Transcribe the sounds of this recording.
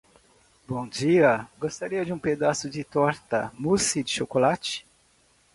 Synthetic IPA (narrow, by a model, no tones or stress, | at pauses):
bõd͡ʒiɐɡost̪aɾiɐd͡ʒɪũped̪asʊd͡ʒɪt̪ɔɾt̪ɐmusid͡ʒɪʃokolat͡ʃɪ̥